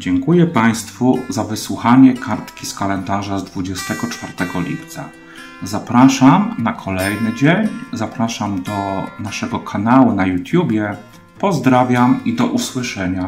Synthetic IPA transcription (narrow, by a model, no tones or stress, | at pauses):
d͡ʑɛŋkujɛpaj̃st̪fuzavɘswuxaɲɛkʰaɾt̪kʲiskalɛnd̪aʐazd̪vud͡ʑɛst̪ɛɡɔt͡ʂfaɾt̪ɛɡɔlʲḭpt̪sa̰ | zapɾaʂamnakʰɔlɛjnɘd͡ʑeɲzapɾaʂamd̪ɔnaʂɛɡɔkʰanawunajut̪ʲjubʲjɛ | pɔzd̪ɾavʲjamid̪ɔʔuswɘʂɛɲa